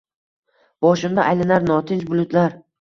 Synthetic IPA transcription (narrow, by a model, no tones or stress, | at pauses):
b̥ɒʃɪmd̪aʔajlanaɾnɒt̪ʰɪnt͡ʃbʊlˠʊt̪laɾ